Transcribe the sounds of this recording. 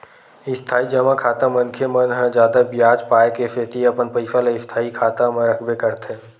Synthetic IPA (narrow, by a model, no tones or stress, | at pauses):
ɪst̪ʰaːid͡ʒəmakʰaːt̪amə̃nkʰemənɦə̃d͡ʒjaːd̪abjaːd͡ʒpaːekefeːt̪iɐpənpəɪfəleɪst̪ʰaːikʰaːt̪amẽɾəkʰbekəɾt̪ɦɛ̃ː